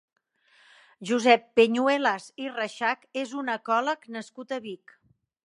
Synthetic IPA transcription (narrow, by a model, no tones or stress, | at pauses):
ʒuzɛpːeɲuelazirəʃakezunəkɔləknəskut̪əβik